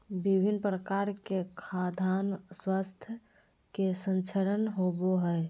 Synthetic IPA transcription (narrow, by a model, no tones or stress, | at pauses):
bibʱinpɾəkaɾkekʰad̪ʱanswast̪ʰjə | kesə̃nt͡ʃʰəɾənɦoboɦɛe